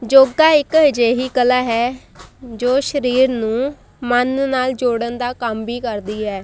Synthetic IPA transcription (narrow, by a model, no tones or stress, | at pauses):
d͡ʒoːɡaːɪkɦd͡ʒeːɦiːkəlaːɦɛː | d͡ʒoːʃəɾiːɾnũː | mənnaːld͡ʒoːɽənd̪aːkəmbiːkəɾd̪iːɦɛː